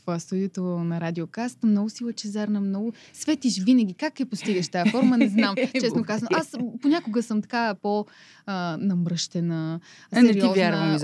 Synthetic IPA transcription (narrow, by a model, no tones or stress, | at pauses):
vast̪ud̪iot̪onɐɾad̪ʲiokast̪mnɔɡʊsilˠət͡ʃɛzaɾnɐmnɔɡʊ | svɛt̪iʃvinəɡʲikakːɛpost̪iɡəʃt̪ajɐfɔɾmənɛznamt͡ʃɛsnokazənoʔasponʲakʊɡəsɤmt̪ɐ̥kapo | ənɐmɾɤʃt̪ɛnəsnɛɾiiɔzvʲj̪aɾz